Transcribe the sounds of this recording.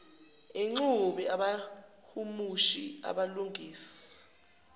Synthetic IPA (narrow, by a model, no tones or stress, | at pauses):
eŋ͡ǀuɓɛaɓa | humuʃia̰ɓaluŋʱiːsḁ